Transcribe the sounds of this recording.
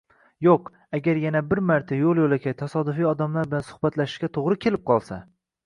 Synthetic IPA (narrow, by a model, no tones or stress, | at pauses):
joq | aɡʲaɾjanabɪɾmaɾt̪ʰajolˠjolakʲʰajt̪ʰasɒd̪ʊfijɒd̪amlaɾbɪlansʊ̥hbat̪laʃɪ̥ʃɡʲat̪ʰoʁɾɪkʲʰe̞lɪp̚qʰɒlˠsa